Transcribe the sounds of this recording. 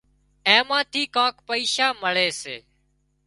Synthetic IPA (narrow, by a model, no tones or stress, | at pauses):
ẽːmãːt̪ʰiːkãːkpəiːʃaːməɭeːsḛː